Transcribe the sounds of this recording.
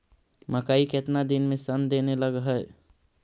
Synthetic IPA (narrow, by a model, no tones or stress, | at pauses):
məkaiket̪nad̪inmesənd̪eneləɡɦəj